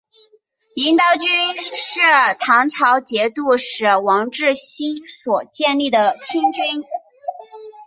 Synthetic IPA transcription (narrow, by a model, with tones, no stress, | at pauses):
i˧˥nt̪ɑ˧˥ʊt͡ɕy˥nʂɻ̩˥˩t̪ʰɑ˧˥ŋʈ͡ʂʰɑ˧˥ʊt͡ɕjɛ˧˥t̪u˥˩ʂɻ̩˧˥wɑ˧˥ŋʈ͡ʂɻ̩˥˩ɕi˥nswɔ˨˩t͡ɕjɛ˥˧nli˥˩d̪ə˩t͡ɕʰi˥ŋt͡ɕi˥n